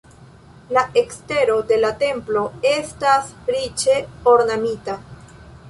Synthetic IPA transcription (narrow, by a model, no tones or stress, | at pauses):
laʔe̞kste̞ɾo̞de̞late̞mplo̞e̞stasɾit͡ʃe̞o̞ɾnamita